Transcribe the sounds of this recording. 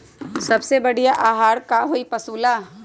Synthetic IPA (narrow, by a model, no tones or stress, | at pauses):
sɐbsebəɽijaʔaːɦaːɾkaɦoipəsuːlaː